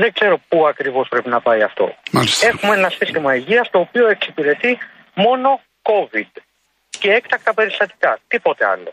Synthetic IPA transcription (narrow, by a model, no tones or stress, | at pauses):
ðeɡze̞ɾo̞puɐkɾivo̞spɾe̞pinɐpɐiɐft̪o̞̰malise̞xumeenɐsist̪imɐiʝiɐst̪o̞ːpio̞e̞ksipiɾe̞t̪i | mo̞no̞ | ko̞vid̪ | ce̞ekt̪ɐk̚t̪ɐpe̞ɾist̪ɐt̪i̥kɐt̪ipo̞t̪e̞ɐ̰lo̞̰